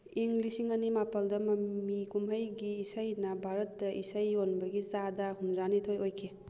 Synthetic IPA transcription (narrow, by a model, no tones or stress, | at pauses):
iŋɡlisiŋɐnimapɐldɐmɐmikumɦɐjɡiːsɐjnɐbʱaɾɐt̚dɐʔisɐjonbɐɡit͡ʃadɐhunɾanitʰojojkʰe